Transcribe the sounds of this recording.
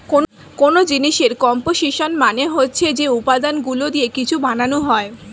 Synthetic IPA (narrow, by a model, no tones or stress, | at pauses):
kon | konod͡ʑiniʃeɾkɔmpoʃiʃonmaneɦotːɕʰed͡ʑeupad̪anɡulod̪iekit͡ɕʰubananuɦɔe